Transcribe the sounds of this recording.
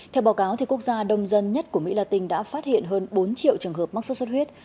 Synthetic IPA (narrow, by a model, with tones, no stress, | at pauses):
t̪ʰɛ˧wɓaː˨˦wkaː˨˦wt̪ʰi˨˩ku˦˥ək̚zaː˧ɗə˧˩wŋ͡mzə˧nɲə˦˥t̚ku˧˩əmḭ˧˥laː˧˩t̪ï˧˩ŋ̟ɗa̰ː˧˥faː˦˥t̚hḭ˧˨ənɦəː˧nɓo˨˦nt͡ɕḭ˧˨əwt͡ɕɨ˨˩əŋɦə˨˩p̚m˦˥k̚so˦˥swə˦˥t̚ɦwi˦˥ət̚